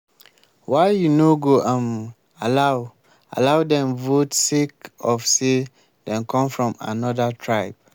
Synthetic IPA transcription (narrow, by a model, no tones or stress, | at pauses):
waɪjunoɡoʔãm | alaʊ | a̰laʊdɛ̃mvotsekɔfse | dɛ̃nkʰɔ̃mfɹɔ̃ma̰nɔdatʰɹaɪb̚